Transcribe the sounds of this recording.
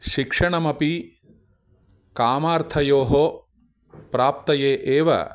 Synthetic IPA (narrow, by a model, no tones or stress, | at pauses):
ʃikʂɐɳɐmɐpi | kaːmaːɾt̪ʰɐjoːɦo | pɾaːp̚t̪ɐjeːʔeːʋɐ̰